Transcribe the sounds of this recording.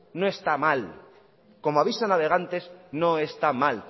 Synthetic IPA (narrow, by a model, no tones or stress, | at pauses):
noe̞st̪amal | ko̞moaβisanaβe̞ɣ̞ant̪e̞sno̞e̞st̪amal